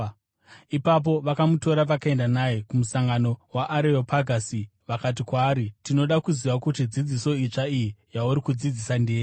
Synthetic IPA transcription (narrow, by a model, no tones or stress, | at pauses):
ipap̬o̞ʋakamuto̞ɾaʋakae̞ndanajekumusaŋɡano̞waʔːɾeopaɡʱasiʋakat̬ikwaːɾitino̞ɗakuziʋakutid͡zid͡ziso̞it͡ʂaijijauɾikud͡zid͡zisandeːɾi